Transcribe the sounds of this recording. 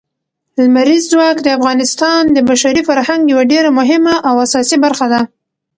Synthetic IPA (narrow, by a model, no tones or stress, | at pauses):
lmaɾizːwɑkd̪əafɣɑnɪst̪ɑnd̪əbaʃaɾifaɾhaŋɡjawaɖeɾamʊɦɪmaʔːwasɑsibaɾxad̪a